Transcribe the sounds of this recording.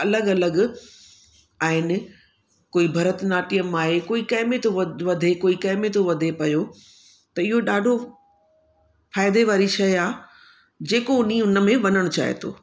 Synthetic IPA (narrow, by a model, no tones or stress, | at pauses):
ɐləɡɐləɡ | aːɦɪnɪ̆ | koːibʱɐɾət̪naːʈijəmaːɦekoːikɐ̃ːɪmet̪ʰoʋɐd̪ʱekoːikɐɦɪmet̪ʰoʋɐd̪ʱepɐjo | t̪ɐɪɦoɗaːɖʱo | faːɪd̪eʋaːɾiʃɐjaː | d͡ʑeːkoʊniʊnəmẽʋɐnəɽ̃t͡ɕa̰ːɦḛt̪ʰo̰ː